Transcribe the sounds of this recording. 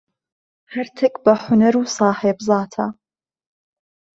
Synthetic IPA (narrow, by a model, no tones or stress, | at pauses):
hɐɾt̪ʰɨkbɐħʊnɐɾuːsɑːħeːbzɑːt̪ʰa